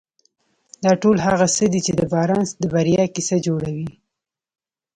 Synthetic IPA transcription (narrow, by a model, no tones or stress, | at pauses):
d̪ɑʈolɦaɣasəd̪it͡ʃed̪əbɑɾɑnsd̪əbaɾijɑkisad͡ʒoɽawi